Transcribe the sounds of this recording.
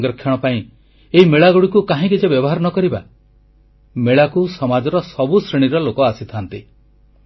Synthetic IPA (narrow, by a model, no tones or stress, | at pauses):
ŋɡɔɾɔkʰːjɔɽ̃ɔpaĩ | eɦimeɭaɡuɽikukaɦĩkid͡ʒebjɔbɔɦaɾɔnɔkɔɾiba | meɭakusɔmad͡ʒɔɾɔsɔbusɾeɽ̃iɾɔlokɔasit̪ʰant̪i